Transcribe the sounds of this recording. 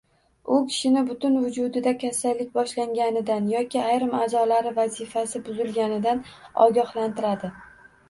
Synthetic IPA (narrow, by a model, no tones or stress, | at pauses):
ʊkʲʰɪ̥ʃɪnɪbʊt̪ʊnvʊd͡ʒʊd̪ɪd̪akʲʰasalːɪk̚ʲbɒʃlaŋɡʲanɪd̪anjɒkʲɪajɾɪmazɒlaɾɪvazɪfasɪbʊzɪlɡʲanɪd̪anɒ̰ɡʲɒhlant̪ɪɾad̪ɪ